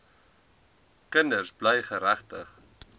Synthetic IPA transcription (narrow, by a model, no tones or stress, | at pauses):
kəndərsblɛjχəɾæχtəχ